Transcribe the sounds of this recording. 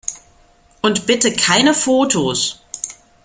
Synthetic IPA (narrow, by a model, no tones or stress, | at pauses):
ʔʊntb̥ɪtəkʰaɪnəfoːtʰos